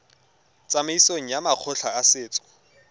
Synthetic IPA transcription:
t͡sʼameisoŋ̩jamaq͡χʰʊɬʰaːsɪːt͡sʼɔ̥

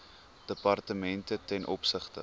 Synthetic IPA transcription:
d̥əpɐrtəmɛntətɛnʔɔ̰psəχtə

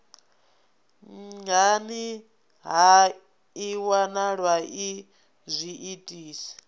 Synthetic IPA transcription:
ŋɡani | ɦa | iwanaɺwaʔi | zʷiʔitʼiːsi̥

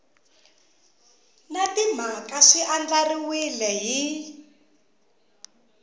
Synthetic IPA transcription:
natim̤akaʂiʔand͡ɮariwilɛɦi

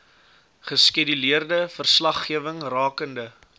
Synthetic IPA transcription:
χəskidiliərdəfərslɐχːiəvəŋrɑːkəndə

